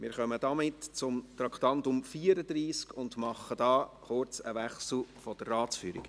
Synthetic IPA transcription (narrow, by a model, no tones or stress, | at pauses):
mɪɾχœməd̥ɑmɪtt͡sʊmt̪ɾɑkt̪ɑndʊmfiːəɾəd̥̪ɾiːskʊndmɑχːəd̥ɑːχʊɾt͡səʋɛχsl̩ˠfɔd̥ərrɑːtt͡sfyːɾḭɡ̥